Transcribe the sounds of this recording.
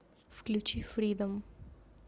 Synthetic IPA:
fklut͡ʃifɾiːd̪əm

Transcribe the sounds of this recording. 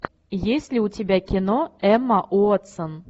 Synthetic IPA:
jesʲlʲiutʲebʲækʲinoɛmːaʔuət̪sɤ̆n

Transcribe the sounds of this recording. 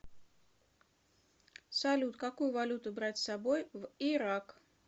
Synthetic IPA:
sɐlʲut̪kakujʊvalʲut̪ʊbɾatʲsabojviɾak

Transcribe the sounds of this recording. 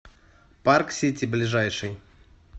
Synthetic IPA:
parksʲetʲɪblʲɪʐajʂɨj

